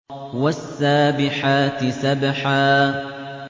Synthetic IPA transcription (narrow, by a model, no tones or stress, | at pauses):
wasːaːbɪħaːt̪ɪsabħaː